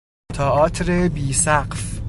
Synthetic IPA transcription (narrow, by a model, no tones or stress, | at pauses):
t̪ʰɒːʔɒːt̪ʰɾebiːsæɢf